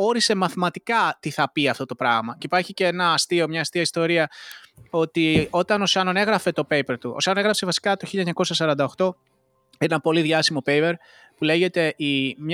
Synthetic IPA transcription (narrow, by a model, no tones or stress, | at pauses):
o̞ɾise̞mɐθmɐt̪ikɐt̪iθɐpiɐft̪o̞t̪opɾɐɣmɐceipɐɾçiceenɐːst̪io̞mɲɐːst̪iɐist̪o̞ɾiɐ | o̞t̪io̞t̪ɐno̞sɐnone̞ɣɾɐfe̞t̪o̞pe̞jpe̞ɾt̪uʔo̰sɐnoneɣɾɐpse̞vɐsi̥kɐt̪o̞çilʎɐɲɐko̞sɐsɐɾɐnd̪ɐo̞xt̪o̞ | enenɐpo̞liðʝɐsimo̞pe̞jpe̞ɾ | pule̞ʝe̞t̪e̞ʔim